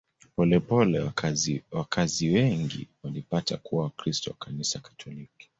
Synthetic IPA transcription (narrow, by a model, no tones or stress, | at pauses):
pɔlɛpɔlɛ | wakʰaziwɛŋɡḭwalipatakuwawakɾistɔwakanisakḁtʰɔliki̥